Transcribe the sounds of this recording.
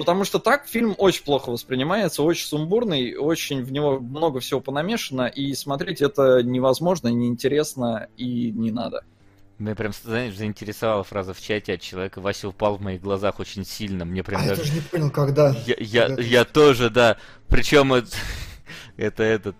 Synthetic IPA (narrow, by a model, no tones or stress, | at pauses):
pət̪ɐmuʂt̪ot̪akfʲilʲmo̞t͡ɕɪnʲplˠo̞xəvəspɾʲɪnʲɪmajɪt̪səot͡ɕɪnʲsʊmburnɨjo̞t͡ɕɪnʲvnʲɪvo̞mno̞ɡəfsʲɪvo̞pənɐmʲeʂɨnəʔismɐt̪ɾʲetʲɛt̪ənʲɪvɐzmo̞ʐnənʲɪɪnʲtʲɪɾʲe̞snəinʲɪna̰d̪ə̰ | mnʲepɾʲamsznaɪʂzəɪnʲtʲɪɾʲɪsɐvalˠəfɾazəft͡ɕætʲɪɐt̪̚t͡ɕːɪlˠɐvʲekəvasʲɪʊpalˠvmɐiɣɡlˠɐzaxo̞t͡ɕɪnʲsʲilʲnəmnʲepɾʲamd̪aʐoʐnʲɪponʲɪlˠkɐɡd̪aja̰jajat̪oʐɨd̪a | pɾʲɪt͡ɕo̞mɛt̪ | ɛt̪əɛt̪ət̪